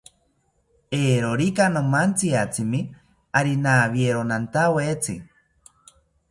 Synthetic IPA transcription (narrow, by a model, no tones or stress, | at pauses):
eːɾoɾikanomant͡siat͡sɨmi | aɾinaβieɾonant̪awet͡sɨ̰